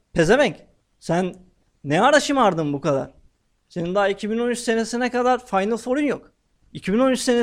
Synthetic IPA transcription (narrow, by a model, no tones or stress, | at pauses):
pʰe̞zevɛɲc | sænː | ɛaɾaʃɯmaɾd̪ɯmbukʰad̪a̰ɾ̥ | se̞nind̪aːicʰibino̞nyt͡ʃse̞ne̞sinɛkad̪aɾfajnɯlˠfo̞ɾynjok | icʰibino̞nyt͡ʃse̞ne